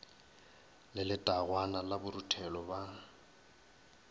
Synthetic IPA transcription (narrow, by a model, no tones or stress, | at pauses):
lɪlɪtʼaɣwanalabʊɾutʰɛlɔba